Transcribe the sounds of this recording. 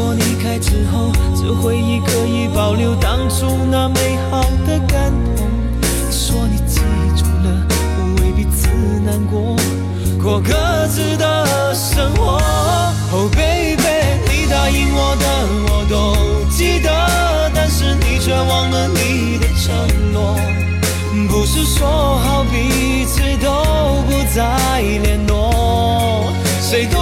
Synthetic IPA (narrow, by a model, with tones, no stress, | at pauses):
wɔ˧˥ni˨˩kʰa˥ɪʈ͡ʂɻ̩˧˥xo˥˧ʊt͡ɕjo˧ʊxwe˥˧ɪi˧˥kə˧i˧˩pɑ˨˩ʊljo˥˧ʊt̪ɑ˥ŋʈ͡ʂʊ˥ŋnə˧me˧˥ɪxɑ˨˩ʊd̪ə˧ka˥˩nt̪u˨˧˥ŋ | ʂwɔ˥ni˨˩t͡ɕi˧˥˩ʈ͡ʂʰu˨˩lə˧ | ɔ˧we˧˩ɪpi˧t͡sʰɹ̩˥˧˩na˧nkwɔ˧˥ | kwɔ˨˩kə˧ | t͡s̩˧˥d̪ə˧ | ʂə˥ŋxwɔ˧˥ | xo˨˩ʊpe˥pe˥˧li˧˥˩d̪a˧i˥ŋwɔ˧˥d̪ə˧ | wɔ˨˩t̪o˥ʊt͡ɕi˥d̪ə˧ | t̪a˥˧nʂɻ̩˥˧ni˨˩t͡ɕʰɥɛ˥wɑ˧˥ŋə˧nli˧˥ | d̪ə˧ʈ͡ʂʰə˧˥ŋnwɔ˧˥˧ | pu˧ʂɻ̩˥˧ʂwɔ˧˥ | xɑ˧˩ʊpi˨˧˥ | ʈ͡ʂ̩ʰ˥t̪o˥ | ʊpu˧t͡sa˧ | i˧ljɛ˧˥nlɔ˧˦ | ʂwe˧˩ɪt̪o˥